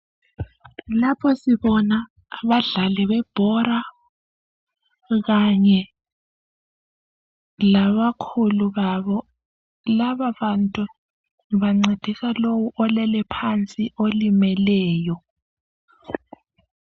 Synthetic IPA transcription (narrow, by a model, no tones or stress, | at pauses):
lapʰɔsiβɔna | βaɮalɛβɛb̥ʱɔra | ɣaɲɛ | laβakʰuluβaβɔ | laβaβantʼu | βaŋ͡ǀed̥ʱisalowuʔɔlɛlɛpʰant͡sʼiolimɛlɛːjɔ